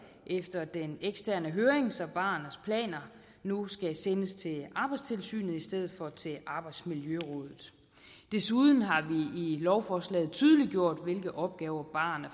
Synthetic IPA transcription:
ʔefd̥ɐd̥eneɡ̥sd̥ʰæɐ̰nəɦøːɐeŋsɒ̽b̥ɑ̈ːnəspʰlɛ̰ːnɐ | nusɡ̥æsenəst͡sʰe̝ɑ̈ːb̥ɑ̈ɪd̥st͡sʰe̝lsy̰ːnð̩ˠisd̥eð̞̰ð̩ˠfɒ̽t͡sʰe̝ʔɑ̈ːb̥ɑ̈ɪd̥smiljøʁɔ̽ð̰ˠð̩ˠ | d̥e̝suðˠn̩ɦɑ̈ʋiilɒʊfɒslɛ̰ːð̞̩ˠt͡sʰyːð̞ˠəliɡ̥jo̝ɐ̰d̥ʋe̝lɡ̥ð̩ˠɒ̽b̥̚ɡ̥ɛːʊɐb̥ɑ̰̈ːn

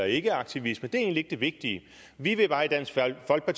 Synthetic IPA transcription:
ɐe̝ɡ̥əɑ̈ɡ̥̚t͡sʰiʋisməd̥e̝æɐe̝ːnlie̝ɡ̥əd̥e̝ʋe̝ɡ̥̚d̥iə | ʋiʋe̝b̥ɑ̈ːid̥æn̰sɡ̥fɒ̽l̰ɡ̥̚pʰɑt͡sʰ

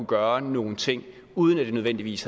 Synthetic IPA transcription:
uɡ̥ɶːɐno̝ːn̩t͡sʰe̝ŋ̰ | uːð̞ˠən̩æd̥e̝nøðˠen̰d̥iʋḭːs

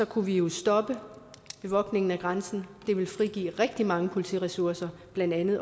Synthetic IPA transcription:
sɒ̽kʰuʋijo̝sd̥ɒ̽b̥ə | ʋe̝ʋɒ̽ɡ̥ne̝ŋn̩æɡ̥ʁɑnsn̩d̥e̝ʋe̝lfʁiɡ̥ḭːʁeɡ̥̚d̥imɑ̈ŋəpʰo̝lit͡sʰḭːʁɛsuɐsɐb̥lænd̥ænð̩ˠ

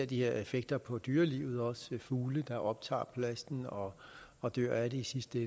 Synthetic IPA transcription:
ɐ̰d̥ihe̝ɐe̝feɡ̥̚d̥ɐpʰɒ̽d̥yːɐlḭʊð̞̩ˠɒ̽sfuːləd̥ɑ̈ʔɒ̽b̥̚t͡sʰɑ̰̈ːpʰlæsd̥n̩ɒ̽ːd̥øɐ̰æɾeisisd̥əe

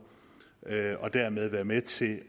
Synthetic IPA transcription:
ɒ̽d̥æɐmeð̞ˠʋæɐmet͡sʰe̝

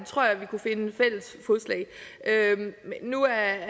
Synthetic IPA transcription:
t͡sʰʁo̝ɐ̰jɑ̈ʋikʰufe̝nəfel̰əs | fɔslɛ̰ɪʔøennuæ

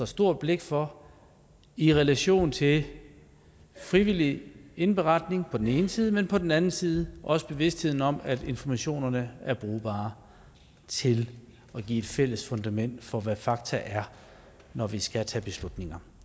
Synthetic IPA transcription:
ɒsd̥o̝ɐ̰d̥̚b̥le̝ɡ̥fɒ | iʁɛlæɕo̝̰ːnt͡sʰe̝ | fʁiʋil̰ie̝nb̥eʁɑ̈d̥ne̝ŋpʰɒ̽d̥en̩e̝ːnəsiːð̞ˠmenpʰɒ̽d̥en̩ænn̩siːð̞ˠəʔɒ̽səb̥e̝ʋe̝sd̥he̝ð̞̰ˠn̩ɒ̽mæd̥e̝nfɒmæɕo̝̰ːnɐnəæɐb̥ʁuːb̥ɑ̰̈ː | t͡sʰe̝l | ɒ̽ɡ̥ḭːe̝d̥fel̰əsfɔ̽nd̥æmen̰d̥fɒ̽ʋæfɑ̈ɡ̥̚t͡sʰæʔæɐ | nɒʋisɡ̥æt͡sʰɛ̰ːb̥e̝slud̥ne̝ŋɐ

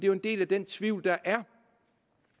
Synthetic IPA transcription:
d̥e̝jo̝e̝nd̥e̝̰ːlæd̥en̰t͡sʰʋiʊ̰ld̥ɑ̈ʔæɐ

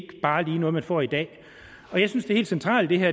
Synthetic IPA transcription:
ɡ̥b̥ɑ̈ːliːnɔð̩ˠmænfɒ̰ːid̥ɛ̰ː | ɒ̽jaɪsynsd̥eæhe̝̰ːldsent͡sʰʁɑ̰̈ːld̥e̝ɦæɐ

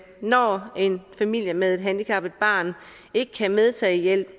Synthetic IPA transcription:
nɒe̝nfæmil̰jəmeðˠe̝d̥ɦænd̥ikʰɑ̈b̥ð̩̥b̥ɑ̰̈ːn | e̝ɡ̥əkʰæmeð̞ˠt͡sʰɛ̰ːjel̰b̥

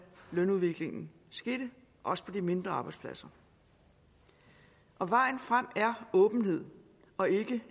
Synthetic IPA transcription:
lønuðˠʋe̝ɡ̥le̝ŋn̩ | sɡ̥e̝d̥ə | ʔɒ̽sə̥pʰɒ̽dime̝nd̥ʁɐɑ̈ːb̥ɑ̈ɪdspʰlæsɐ | ʔɒ̽ʋɑ̈ɪ̰n̩fʁam̰æɐɔ̽ːb̥n̩he̝ð̞̰ˠ | ɒ̽e̝ɡ̥ə

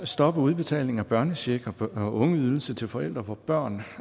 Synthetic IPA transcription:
sd̥ɒ̽b̥əuð̞ˠb̥e̝t͡sʰɛ̰ːlne̝ŋæb̥ɶɐnəɕe̝ɡ̥ɒɒʔɔ̽ŋəyðˠl̩sət͡sʰe̝lfɒ̽el̰d̥ʁɐʋɒb̥ɶɐ̰n

